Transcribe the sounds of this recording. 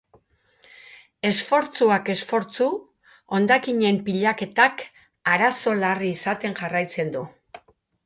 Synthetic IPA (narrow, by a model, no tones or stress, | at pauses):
e̞sfo̞ɾt͡suake̞sfo̞ɾt͡su | o̞nd̪akiɲe̞mpiʎake̞t̪ak | aɾaso̞lariːsat̪e̞ŋʝarajt͡se̞nd̪u